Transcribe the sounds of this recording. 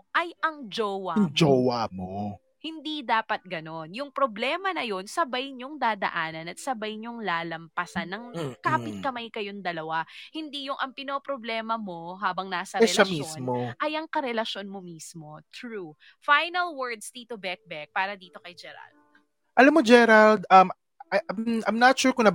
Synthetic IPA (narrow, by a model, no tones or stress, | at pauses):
ʔɐjʔɐŋd͡ʒoːwɐŋd͡ʒowamo | hɪnd̪id̪aːpɐt̪̚ɡɐno̞njʊŋpɾoblɛːmɐnɐjo̞nsɐbajɲoŋd̪aːd̪ɐ̰ʔaːnɐnɐt̪̚sɐbajɲoŋlaːlɐmpɐsanːɐŋkaːpɪt̪̚kɐmajkɐjoŋd̪ɐlɐwahɪnd̪ijʊŋʔɐŋpɪnopɾoblɛːmɐmo̞ɦaːbɐŋnaːsɐɾɛɛlɐʃiosnmoʔɐjɐŋkɐɾɛlɐʃo̞nmomismo̞t̪ɾu | fajnɐlwɛɹd̪sd̪it̪ʊbɛk̚bɛk̚paːɾɐd̪iːt̪o̞kɐjd͡ʒɛɾɐ̰ld̪̚ | ʔɐlamːod͡ʒɛɾɐld̪ʔɐm | ʔɐmʔajmnɐt̪ʃuːɹkʊŋnɐ